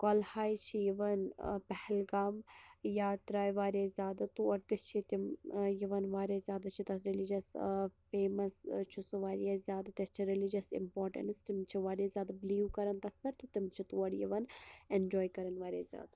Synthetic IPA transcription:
koːlhaːjt͡ʃʰijiʋɐnpɛhɛlɡaːmjaːt̪ɾaːjʋaːɾiezʲjaːd̪ɐt̪uɐɾt̪ist͡ʃʰit̪imjiʋɐnʋaːɾezʲjaːd̪at͡ʃʰit̪ɐt̪ʰɾilid͡ʒɐsfeːmɐst͡ʃʰusɐʋaːɾijazʲjaːd̪ɐt̪ɐst͡ʃʰiɾilid͡ʒɐsḭmpoːɾʈɐ̰nst̪imt͡ʃʰiʋaːɾezjaːd̪ɐbliːukɐɾɐnt̪ɐt̪̚ʰbɐɾt̪ʰit̪imt͡ʃʰit̪uɐɽjḭʋɐnend͡ʒoːjkɐɾɐnʋaːɾjḛzʲja̰ːd̪ɐ

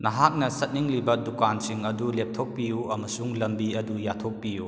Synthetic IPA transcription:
nɐɦak̚nɐsɐt̚niŋlibɐdukansiŋɐdulep̚tʰok̚pijuɐmɐsuŋlɐmbiɐdujatʰok̚piju

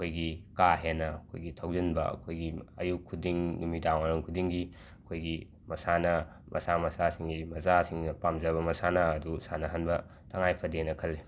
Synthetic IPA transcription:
ɐkʰojɡikaɦenɐɐkʰojɡitʰɐwzinbɐɐ̰kʰojɡiɐ̰jukʰːudiŋnumidawanɐŋkʰudiŋɡi | ɐkʰojɡi | mɐsanɐ | mʔɐ̰samɐsasiŋɡimɐzasiŋnɐpamzɐbɐmɐsanɐɐdusanɐɦanbɐ | tʰɐŋajpʰɐdenɐkʰɐlːi

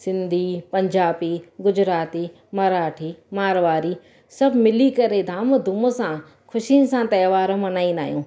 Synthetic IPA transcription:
sɪ̃nd̪ʱipɐɲd͡ʒaːpiɡʊd͡ʒɾaːt̪i | mɐɾaːʈʰimaːɾʋaːɾi | sɐbmɪlikɐɾed̪ʱaːmd̪ʱʊmosã | kʰʊʃinsãt̪ɐːʋaːɾõmɐnaːĩna̰ːɦjũː

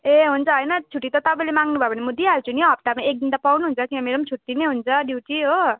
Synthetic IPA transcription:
eɦunt͡sʰʌɦʌjnʌt͡sʰuʈːit̪ʌt̪ʌpaĩlemaŋɡnubʱʌebʌnemud̪iaɾut͡sʰunioɦʌp̚t̪amaek̚d̪int̪apawnuɦunt͡sʰʌkiameɾʌmt͡sʰuʈːineɦunt͡sʰʌɖjuwʈiɦo

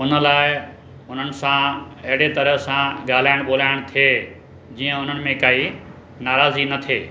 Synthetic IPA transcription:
ʊnə̆laːɪ | ʊn̤ənɪ̆sãɐɦɪɽet̪ɐɾəɦsãɠaːl̤aːɪɽ̃ɓoːlaːɪɽ̃t̪ʰieː | d͡ʑiːə̃ʊn̤ənɪ̆mẽkaːi | naːɾaːzinɐt̪ʰeː

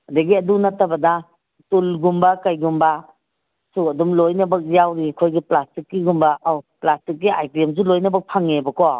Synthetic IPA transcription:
adaɡiɐdunatabɐda | tulɡumbakajɡumba | sukɐdumlojnabak̚jawɾikʰojɡiplastikːiɡumbaʔawplastik̚ːia̰jkɾemzulojnabak̚pʰaŋebɐkɔ

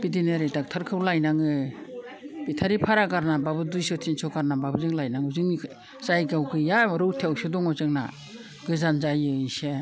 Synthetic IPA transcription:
b̥idineɾɯtak̚tʰaɾkʰɯwlajnaŋɯ | b̥itʰaɾipʰaɾaɡaɾnababɯdujsɔtʰinsɔɡaɾnababɯzɯŋlajnaŋɯzɯŋ | zajɡawɡɯjaɔɾɯwtʰewsɔdɔŋɔzɯŋna̰ | ɡɯzanzajɯise

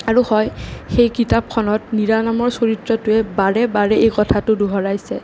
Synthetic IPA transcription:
aɹuhɔjxejkitap̚kʰɔnɔtniɹanamɔɹsoɹitɹɔtʊɛbaɹɛbaɹɛejkɔtʰatʊduɦɔɹajsɛ

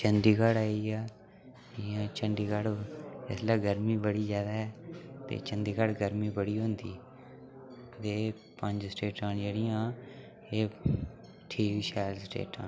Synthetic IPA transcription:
t͡ʃənd̪iːɡəɽaːiːaː | ãːt͡ʃənɖ̪iːɡəɽɪslaːɡəɾmiːbəɽiːzjaːd̪aːɦɛːt̪ḛːt͡ʃə̃nd̪iːɡəɽɡəɾmiːbəɽiːɦõːnd̪iː | t̪eː | pə̃ɲd͡ʒsʈeːʈãːnd͡ʒeːɽɪjãː | eː | ʈʰiːkʃaːlsʈḛːʈãːn

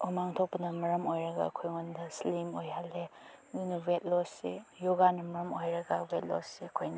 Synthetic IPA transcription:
omaŋtʰok̚pɐnɐmɐɾɐmojɾɐɡa̰ɐ̰kʰojŋondɐslimojɦalːedinuwet̚losejoɡanɐmɐɾɐmojɾɐɡɐwet̚lo̰seɐkʰojnɐ

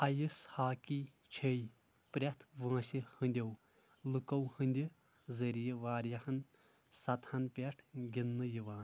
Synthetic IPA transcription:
ɐjishaːki | t͡ʃʰej | pɾʲɐt̪ʰʋãːsihɨnʲd̪ʲɐw | lɨkɐwhɨnʲd̪ʲi | zɐɾijiʋaːɾjɐhɐn | sɐt̪ʰhɐnpʲeʈʰɡʲinːɨjiʋaːn

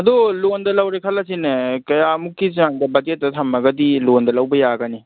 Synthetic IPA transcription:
ɐdolondɐlɐwɾekʰɐlɐsinɐkɐjamukːiz̬aŋdɐbɐd͡ʒet̚ːɐtʰamɐɡɐdilondɐlɐwbɐjaɡɐni

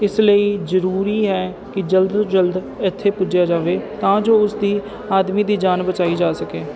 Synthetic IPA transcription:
ɪsləiːzəɾuːɾiːɦɛː | kɪd͡ʒəld̪d͡ʒəld̪ | ɪt̪ʰːeːpʊd͡ʒjaːd͡ʒaːʋeːt̪ãːd͡ʒoːʊsd̪iː | aːd̪miːd̪iːd͡ʒaːnbət͡ʃaːiːd͡ʒaːsəkeː

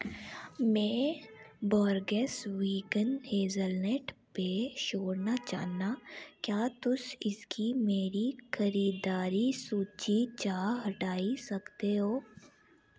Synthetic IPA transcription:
mɛ̃ː | bɔːɾɡesʋiːkənɦeːzəlnɛʈpeʃoːɽnat͡ʃa̰ːɦnakjaːt̪ʊsɪskimeːɾixʰɐɾiːd̪aːɾisuːt͡ʃit͡ʃaːɦɐʈaːisɐkt̪eɦoː

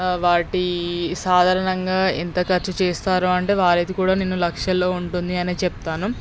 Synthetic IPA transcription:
ʋaːɾiʈisaːd̪ʱaːɾɐɳɐŋɡaːent̪ɐkɐɾt͡ʃɐt͡ʃeːst̪aːɾuːɐɳʈe̞ːʋaːɾɐt̪ikuːɽaːneːnːulɐkʂjɐlːo̞ːuɳʈund̪iɐneːt͡ʃɛp̚t̪aːnu

